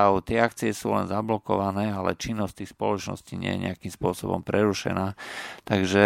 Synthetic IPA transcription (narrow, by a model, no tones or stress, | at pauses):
aʊt̪ɪɛakt͡siɛsṵːlɛ̰nzablɔkɔʋanɛːalɛ̰t͡ʃinːɔst̪iːxspɔlɔt͡ʃnɔ̰sciːɲɪɛ̰jɛ̰ɲɛ̰akimspʊɔsɔbɔ̰mpɾɛɾuʃɛ̰naːt̪aɡʒɛ